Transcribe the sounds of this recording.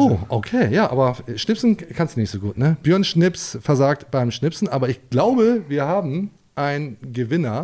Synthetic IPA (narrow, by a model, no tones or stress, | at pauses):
ʔoːʔokʰeːjaːʔa̰ːbɐʃnɪpsn̩kʰanstnɪçtz̥oːɡuːtnəb̥jœɐnʃnɪpsfɛɐzaːk̚tb̥aɪmʃnɪpsn̩ʔaːbɐɪçɡ̥laʊbəviːɐhaːbm̩ | ʔaɪnɡəvɪnɐ